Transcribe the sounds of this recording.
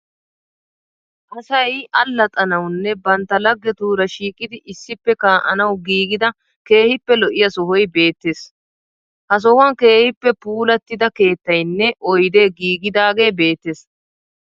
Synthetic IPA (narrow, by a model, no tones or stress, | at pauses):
ʔɐsɐjɐlːɐt̪ʼɐnɐwnːɛbɐnt̪ːɐlɐɡːɛt̪uːɾɐʃiːkʼːɪd̪ɪʔɪsːɪpːɛkaːʔɐnɐwɡiːɡɪd̪ɐ | ke̞ːhɪpːɛlɔʔɪjɐsɔɦɔjbe̞ːt̪ːes | hɐs̬ɔhʊɐnke̞ːhɪpːɛpuːlɐt̪ːɪd̪ɐke̞ːt̪ːɐjnːɛʔɔjd̪e̞ːɡiːɡɪd̪aːɡe̞ːbe̞ːt̪ːes